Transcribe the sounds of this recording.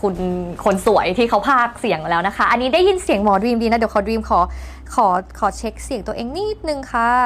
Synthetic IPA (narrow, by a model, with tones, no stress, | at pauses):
kʰu˧nkʰo˧nsu˨˩˦əjt̪ʰiː˥˩kʰa˦˥wpʰaː˥˩k̚si˨˩˦əŋlɛː˦˥wna˦˥kʰa˦˥ʔa˧nːiː˦˥da˥˩ji˧˥˩nsi˨˩˦əŋmɔː˨˩dɾiː˧mdiː˧na˧˦˥di˩˦wkʰːdɾiː˧mkʰɔː˩˦ | kʰɔː˩˦kʰɔː˩˦t͡ɕʰe˦˥k̚si˨˩˦ŋt̪u˧ʔeː˧ŋniː˥˩t̪̚nɯ˧ŋkʰa˦˥